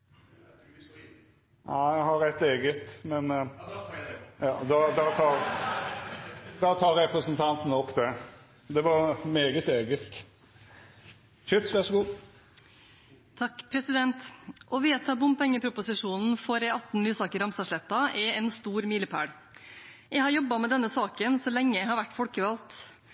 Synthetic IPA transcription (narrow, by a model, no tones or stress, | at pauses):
næɪjæɪhɑɾæɪt̪eːɡət̪mɛn | jɑːd̪ɑd̪ɑt̪ʰɑːɾ | d̪ɑːt̪ʰɑːɾɾɛpɾəsənt̪ʰɑnt̪n̩ɔpːd̪æɾ | d̪ɛʋɑɾmeːɡət̪eːɡəsk̪ | ʃʏt̪ʋæʁʂɔɡuː | t̪ʰɑkːpʰɾɛsɪd̪ɛnt̪ʔɔʋeːt̪ʰɑbʊmpʰɛŋːəpʰɾʊpʊsɪʂuːnn̩fɔɾɛɑt̪n̩lyːsɑːkəɾɑmsɑʂɭɛt̪ːɑʔɛɛnst̪uːɾmiːləpʰæ̰ːɽ | jæɪhɑɾjɔbːɑmɛd̪ɛnːəsɑːkənsɔlɛŋːəjæɪhɑɾʋæʈːfɔlkəʋɑlt̪